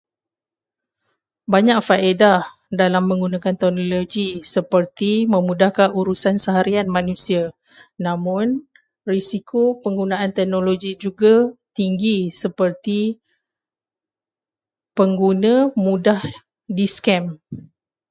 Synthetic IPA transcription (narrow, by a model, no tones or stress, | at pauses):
baɲak̚faeda | dalamːə̃ŋɡunãkant̪ɛk̚noloɡisəpərt̪imə̃mũdahkaʔuɾusansəɦaɾianmãnũsia | nãmʊ̃n | risikʰopəŋɡunãant̪ɛk̚noloɡid͡ʒuɡat̪iŋɡisəpərt̪i | pəŋɡunãmũdah | diskɛm